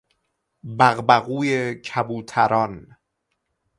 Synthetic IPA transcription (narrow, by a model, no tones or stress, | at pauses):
bæɣbæɣuːjecʰæbuːt̪ʰæɾɒːn